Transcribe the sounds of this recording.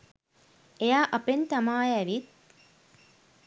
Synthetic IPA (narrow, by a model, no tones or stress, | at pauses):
ejaːʔɐpent̪amaːjæʋit̪̚